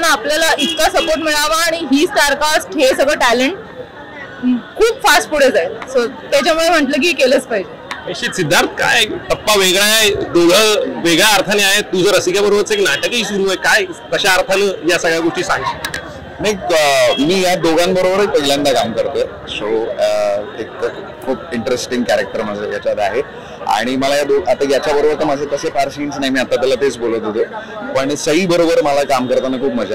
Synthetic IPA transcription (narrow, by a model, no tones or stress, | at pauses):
naapljalait̪ʰkasəpoɾʈmiɭaʋaːɽ̃iɦiːsʈaɾkasɦesəɡɭəʈæleɳʈ | kʰuːbfasʈpuɽ̤ed͡zaesot̪jat͡ɕamuɭem̤əʈləːk̬ikeləːt͡skaɦjd͡ʑeəɕisid̪ʱːaɾt̪ʰka̰jt̪əpːaʋeɡɭajajd̪oɡʱəʋeɡɭaːɾt̪ʰaneaɦet̪̚d̪usəɾəsikjabəɾobəɾt͡səeknaʈəkɦiːsuɾuəjkajk̪əɕaːɾt̪ʰaləːjasəɡɭjaɡoʂʈiːsaɦiɕe | mekəmiːjad̪oɡʱanbəɾobəɾek̚pəɡljãnd̪akamkəɾt̪əː | so | ek | kʰuːp̚iɳʈɾesʈiŋɡkæɾek̚ʈəɾməd͡zəjat͡ɕad̪aɦe | a̰ɽ̃iməlajad̪oɡat̪ajat͡ɕjabəɾobəɾt̪omad͡zʱəkəsefaɾsiːnsnaɦjmiːat̪ːat̪əlat̪et͡sbolət̪ɦot̪əːpəɳsəɦiːbəɾobəɾməlakamkəɾt̪anakʰuːpm̤əd͡za